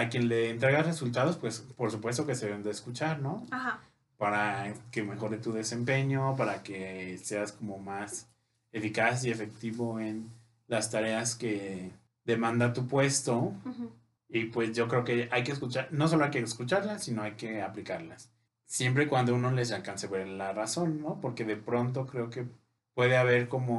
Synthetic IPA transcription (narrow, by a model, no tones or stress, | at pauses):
akje̞nle̞ːnt̪ɾe̞ɣare̞sult̪að̞o̞spwe̞spo̞ɾsupwe̞st̪o̞keseβend̪eːskut͡ʃaɾno̞aha | paɾake̞me̞xo̞ɾet̪uðe̞se̞mpe̞ɲo̞p̬aɾake̞se̞asko̞mo̞mas | e̞fikasie̞fe̞k̚t̪iβo̞e̞n | last̪aɾe̞aske̞ | d̪e̞mãnd̪at̪upwe̞st̪o̞ | ipwe̞sʝo̞kɾe̞oke̞ajke̞ːskut͡ʃaɾno̞s̬oloajkeskut͡ʃaɾlasino̞ajke̞aplikaɾlasː | je̞mp̬ɾe̞kwand̪ouno̞le̞s̬alkanseβeɾelaraso̞nːo̞po̞ɾke̞ðe̞pɾo̞nt̪o̞kɾe̞oke̞ | pwe̞ðe̞aβ̞e̞ɾko̞mo̞